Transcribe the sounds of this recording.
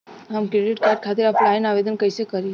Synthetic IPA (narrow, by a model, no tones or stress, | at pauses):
ɦəmkɾeɖiʈkaɾɖ̚kʰat̪iɾəpʰlajənaʋed̪ənkəjsekəɾi